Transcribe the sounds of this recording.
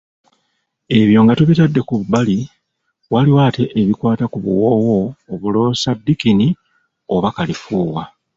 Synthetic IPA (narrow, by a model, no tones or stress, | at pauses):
e̞βjo̞ːŋɡatuβitadːe̞kuβubali | waliwaːte̞ʔːβikwaːtakuβṵwo̞wo̞ːβulo̞ːsadːikini | o̞βakalifuːwa